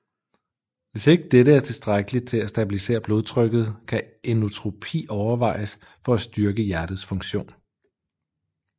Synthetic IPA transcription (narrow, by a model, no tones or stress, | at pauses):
ʋe̝se̝ɡ̥əd̥eɾəæɐt͡sʰe̝lsd̥ʁaɡ̥əlit͡sʰe̝læsd̥æb̥ilise̝̰ːɐb̥lo̝ːð̞ˠt͡sʰʁœɡ̥ð̞̩ˠkʰæ | enot͡sʰʁo̝pʰḭːɒʊɐʋɑ̈ɪ̰əs | fɒ̽æsd̥yɐɡ̥əjæɐd̥ð̞̩ˠsfɔ̽ŋɕo̝̰ːn